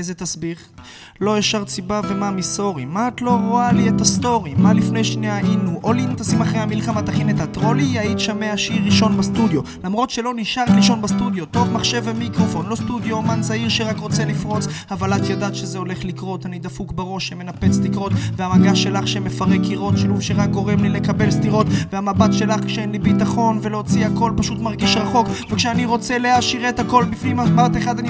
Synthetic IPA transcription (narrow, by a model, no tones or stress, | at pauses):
ezet̪asbiχ | lo̞eʃaʁt͡sibavemamiso̞ʁimaːt̪lo̞ʁo̞aliet̪ast̪o̞ʁimalifnejʃniainuʔolint̪asimaχʁejhamilχamat̪aχinetat̪ʁo̞lijaitʃameaʃiʁːiʃo̞nbast̪ud̪jo̞lamʁo̞tʃe̞lo̞niʃaʁt̪liʃo̞nbast̪ud̪jo̞t̪o̞χmaχʃe̞vemikʁo̞fo̞nlo̞st̪ud̪joːmanzaiʁʃeʁakʁo̞t͡selifʁo̞t͡savalat̪jadat̪ʃezeo̞le̞χlikʁo̞t̪anid̪afukbaʁo̞ʃeme̞nape̞t͡stikʁo̞t̪veamaɡaʃe̞laχʃeme̞faʁekiʁo̞t̪ʃeluvʃeʁak̚ɡo̞ʁemlile̞kabe̞lst̪iʁo̞t̪veamabat̪ʃe̞laχkʃeenlibitaχo̞nveloːt͡siako̞lpaʃut̪maʁɡiʃʁaχo̞kvekʃeaniʁo̞t͡seleaʃiʁet̪hako̞lbifnimabat̪eχad̪ani